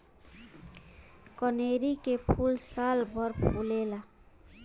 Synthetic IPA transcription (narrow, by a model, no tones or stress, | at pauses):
kɔneɾikepʰulsalbʱʌɾpʰulela